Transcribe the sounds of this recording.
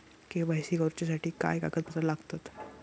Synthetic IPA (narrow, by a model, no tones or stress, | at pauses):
kebajsiːɡəɾt͡ɕjasaʈʰiːka̰jka̰ɡət̪̚pət̪əɾlaɡt̪at̪